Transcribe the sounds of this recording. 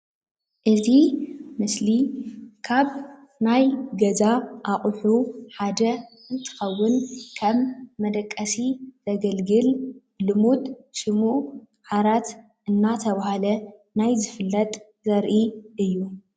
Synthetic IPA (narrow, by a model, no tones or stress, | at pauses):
ʔɨzimɨslikʰaβ | najɡɐzaʔaχʼħuħad̪ɐ | ɨnt̪ʰɨ̥xɐwːʊnkʰɐmːɐd̪ɐkʼːɐsiz̥ɐɡɐlɡɨl | lɨmut̪ʃɨmuʔ | ħaɾat̪ | ɨnːat̪ʰɐβahalɐ | najzɨfɨlːɐt̪ʼ | zɐɾʔiʔɨjːu